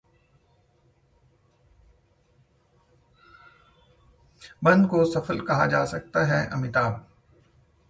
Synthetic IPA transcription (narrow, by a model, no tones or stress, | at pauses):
bɐ̃nd̪kosɐfəlkɐɦad͡ʒaːsɐk̚t̪aɦɛʔɐ̰mɪt̪aːb̚